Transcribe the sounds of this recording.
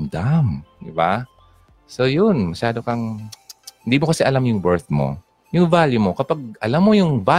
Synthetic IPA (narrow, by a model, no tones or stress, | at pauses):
md̪amd̪ɪba̰ | sojʊnmɐʃaːd̪o̞kɐŋ | hɪnd̪iːmokɐsɛʔɐlamjʊŋbɛɹt̪̚mo̰ | jʊŋvaːljʊmo̞kɐpaɡ̚ʔɐlamːo̞jʊŋva